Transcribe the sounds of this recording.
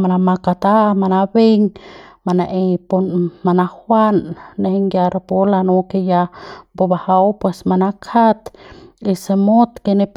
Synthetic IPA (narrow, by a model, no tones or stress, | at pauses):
manamakat̪amanabeŋmanaʔepunmanahwanːehiŋɡjaɾapolanokejabobahawpwesmanakʰat̪isemot̪kenep